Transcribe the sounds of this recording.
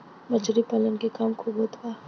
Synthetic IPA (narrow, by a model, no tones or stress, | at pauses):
mɐd͡ʒɾipɐlənkekɐmkʰoɡot̪ʰaː